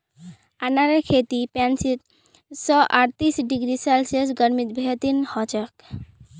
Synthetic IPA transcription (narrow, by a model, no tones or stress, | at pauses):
anaɾekʰet̪ipansit̪ | sɔʔaʈt̪isɖiɡɾisalsesɡəɾmit̪̚bʱet̪inhɔt͡ʃək